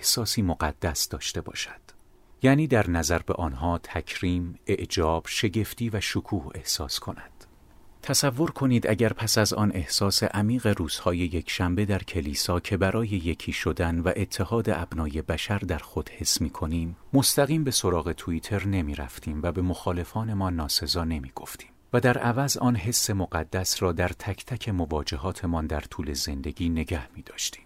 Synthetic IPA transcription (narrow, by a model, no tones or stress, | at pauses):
ehsɒːsiːmoɢæd̪̥ːæsd̪̥ɒːʃt̪e̞bɒ̰ːʃæ̥d̪̥ | jæːniːd̪æɾnæzæɾbe̞̰ʔɒːnɦɒːt̪ʰæcʰɾiːme̞ʔd͡ʒɒːb̥ʃe̞ɟe̞ft̪iːvæʃokʰuːhe̞hsɒːskʰo̞næd̪̥ | t̪ʰæsævːo̞ɾkʰo̞niːd̪ʔæɟæɾpʰæsæzɒ̰ːnʔe̞hsɒːse̞̰ʔæmiːɣe̞ɾuːz̥hɒːje̞je̞kʰʃæmbe̞d̪æɾcʰe̞liːsɒːcʰe̞bæɾɒːje̞je̞cʰiːʃo̞d̪ænvæʔe̞t̪ʰːe̞hɒːd̪e̞ʔæbnɒːje̞bæʃæɾd̪æɾxo̞d̪̥he̞sːmiːkʰo̞niːmːo̞st̪æɣiːmbe̞so̞ɾɒːɣe̞t̪ʰuit̪ʰe̞ɾne̞miːɾæ̰ft̪ʰiːmvæbe̞mo̞xɒːle̞fɒːne̞mɒːnːɒːse̞zɒːne̞miːɡ̥o̞ft̪ʰi̥ːmvæd̪æɾʔævæzʔɒ̰ːnɦe̞sːe̞moɢæd̪ːæsɾɒːd̪æɾt̪ʰæcʰt̪ʰæcʰe̞movɒːd͡ʒe̞ɦɒːt̪ʰe̞mɒːnd̪æɾt̪ʰuːle̞ze̞nd̪e̞ɡiːne̞ɟæhmiːd̪̥ɒːʃt̪i̥ːm